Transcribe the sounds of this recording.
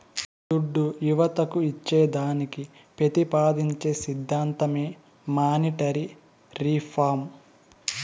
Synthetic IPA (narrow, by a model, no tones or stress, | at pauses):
d̪uɖːujuʋɐt̪ɐkuit͡ʃːeːd̪aːniki | pɾɐt̪ipaːd̪iɲt͡ʃeːsid̪ʱːaːnt̪ɐmeː | maːniʈɐɾi | ɾipʰaːɾm